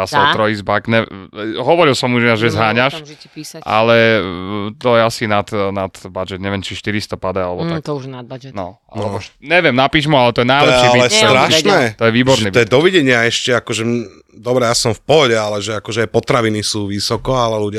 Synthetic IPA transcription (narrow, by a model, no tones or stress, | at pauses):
asaɔɾɔizbakɲɛɦɔʋɔɾilsɔmuʒaʒɛzɦaːɲaʃiʔa̰lɛ | t̪ɔjɛasinat̪nad̪bad͡ʒɛd̪ɲɛʋjɛmt͡ʃiʃt̪iɾist̪ɔpad̪aalɛbɔt̪akt̪ɔuʒnabad͡ʒɛnɔ | a̰lɛbɔɲɛʋjɛmnapiːʒmualɛt̪ɔjɛnajllɛʃɛailɛsɾaʃnɛt̪ɔjɛʋiːbɔɾniɔjɛd̪ɔʋiɟɛɲɪaɛʃcɛakɔʒɛ | d̪ɔbɾɛjasɔmfpɔɦɔɟɛalɛʒɛakɔʒɛajpɔt̪ɾaʋinisuːʋisɔkɔalɛluɟɪa